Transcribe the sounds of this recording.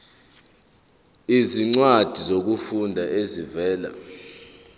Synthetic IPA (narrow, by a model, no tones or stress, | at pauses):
iziŋ͡ǀwad̥ʱizok̬ufundʱaʔezivɛːla̰